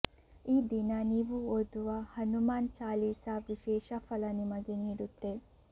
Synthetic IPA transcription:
iːd̪inɐniːʋuoːd̪uʋɐhɐnumaːnt͡ʃaːliːsɐʋiʃɛːʃɐfɐlɐnimɐɡe̞niːɽut̪ːe̞

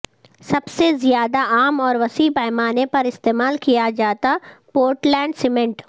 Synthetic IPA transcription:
sɐbsezijaːd̪aʔaːmɔːɾʋɐsipɛːmaːnepɐɾɪst̪eːmaːlkijad͡ʒaːt̪apoːɾʈlɛ̃ːɳɖsɪmɛ̃ɳʈ

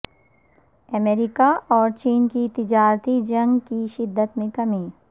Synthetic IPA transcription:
ɐmeːɾɪkaʔɔːɾt͡ʃiːnkit̪ɪd͡ʒaːɾt̪id͡ʒɐ̃ŋɡkiʃɪd̪ːət̪mẽkɐmiː

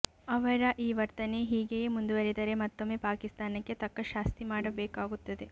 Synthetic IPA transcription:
ɐʋɐɾɐʔiːʋɐɾt̪ɐneɦiːɡejeːmund̪uʋɐɾid̪ɐɾe̞mat̪ːome̞ːpaːkist̪aːnɐkːe̞t̪ɐkːɐʃaːst̪imaːɽɐbɛːkaːɡut̪ːɐd̪e̞

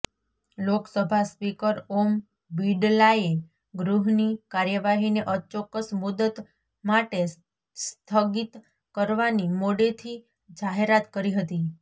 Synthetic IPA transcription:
loksəbʱaspikəɾom | biɖlae | ɡɾuɦnikaɾjəʋaɦineʔət͡ʃɔkːəsmud̪ət̪ | maʈe | st̪ʰəɡit̪ | kəɾʋanimoɽet̪ʰi | d͡ʒaɦeɾat̪kəɾiɦət̪i

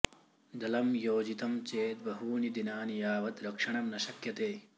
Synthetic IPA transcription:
d̪ɐlɐmjoːd͡ʒit̪ɐmt͡ʃeːt̪̚bɐɦuːnid̪inaːnijaːʋɐt̪ɾɐkʂɐɳ̃ɐmnɐʃɐkjɐt̪eː

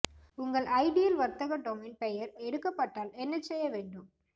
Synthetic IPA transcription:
ʊŋɡɐɭʔɐɪɖɪjɐlʋɐɾt̪ːɐɣɐɖoːmɪnpɛjɐɾɛɽɯkːɐpːɐʈːaːlɛnːɐsɛjːɐʋeːɳɖɯm

